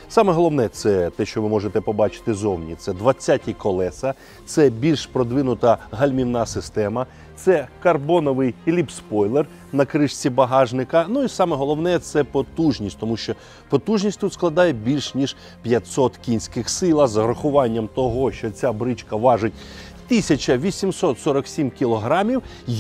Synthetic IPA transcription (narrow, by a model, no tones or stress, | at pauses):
sɑmɛɦɔlˠɔwnɛt̪sɛt̪ɛʃt͡ʃɔʋɪmɔʐet̪ɛpɔbɑt͡ʃɪ̥t̪ɪzɔwnʲḭt̪sɛd̪ʋɐt͡sʲːatʲikɔlˠɛsɐ | t̪sɛbʲilʲʃpɾɔd̪ʋɪnʊt̪ɐɦɐlʲmʲinnɑsɪst̪ɛmɐ | t̪sɛkɐrbɔnɔʋɪjlʲipspɔjlˠer | nɐkɾɪʃt͡sʲibɐɦɑʒnɪkɐnuisɑmɛɦɔlˠɔʋn̪ɛt̪sɛpɔt̪uʒnʲisʲtʲt̪ɔmuʃt͡ʃɔ | pɔt̪uʒnʲisʲtʲt̪ut̪sklˠɐd̪ɑjɛbʲilʲʃnʲiʒ | pʲjɐt̪ʲsɔt̪kʲinʲsʲkɪxsɪlˠɐzɐɦɾɔxʊʋɑnʲːɐmt̪ɔɦɔʃt͡ʃɔt͡sʲabɾɪt͡ʃkɐʋɑʐɪt̚ʲ | t̪ɪsʲɐt͡ʃɐʋʲisʲimsɔt̪sɔɾɐksʲimkʲilˠɔɦɾɑmʲiw